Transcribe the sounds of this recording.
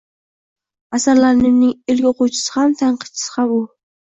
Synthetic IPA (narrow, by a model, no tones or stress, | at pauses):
asaɾlaɾnɪnɪŋɪlɡʲɪoqut͡ʃʰɪ̥sɪ̥hamt̪ʰaɴqɨ̥t̪t͡ʃʰɪ̥sɪ̥qʰɑβulˠ